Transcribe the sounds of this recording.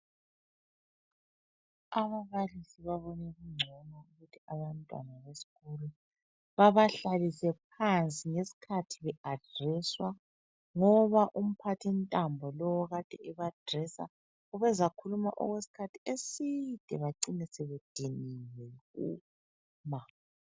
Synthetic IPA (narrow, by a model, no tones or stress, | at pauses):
aβaβalisiβaβɔnɛɣuŋ͡ǀʱɔnauɣutʰiaβantʼwa̰naβesi̥ɣulu | βaβaɬalisɛp̚ʰant͡sʼiŋesi̥kʰatʰiβɛad̥ʱrɛswa | ŋɔβaʔum̩pʰatʰintʼambʱɔlɔwɔɣad̥ʱɛɛβad̥ʱrɛsa̰ | ɔβɛzakʰuluma̰ʔɔ̰ɣwesi̥kʰatʰi̥esid̥ʱɛβaǀinɛsɛβed̥ʱiniwɛɣu | ma